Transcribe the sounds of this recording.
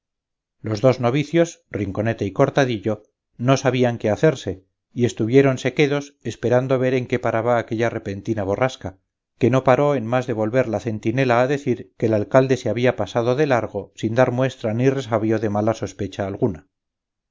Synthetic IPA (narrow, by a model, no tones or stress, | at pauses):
lo̞zðo̞zno̞β̞iθjo̞sriŋko̞ne̞t̪eiko̞ɾt̪aðiʎo̞ | no̞saβiaŋkeaθe̞ɾse̞ | ie̞st̪uβje̞ɾo̞nse̞ke̞ðo̞sespe̞ɾand̪o̞β̞e̞ɾe̞ŋke̞paɾaβaːke̞ʎare̞pe̞nt̪inaβ̞o̞raska | ke̞no̞paɾo̞e̞nmazðe̞β̞o̞lβe̞ɾlaθe̞nt̪ine̞laːðe̞θiɾke̞ːlalkald̪e̞seaβ̞iapasað̞o̞ðe̞laɾɣ̞o̞sind̪aɾmwe̞st̪ɾanire̞saβjo̞ðe̞malaso̞spet͡ʃaːlɣuna